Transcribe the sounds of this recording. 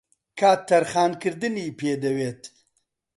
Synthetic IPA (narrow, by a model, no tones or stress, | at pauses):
kʰaːt̪ːɐɾχaːnkɨɾd̪ɨniːpʰeːd̪ɐweːt̪